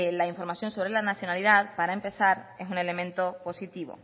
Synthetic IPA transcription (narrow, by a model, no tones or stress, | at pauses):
laiɱfo̞ɾmaθjo̞nso̞βɾe̞lanaθjo̞naliðaðpaɾaempe̞θaɾe̞sune̞lemẽnt̪o̞po̞sit̪iβo̞̰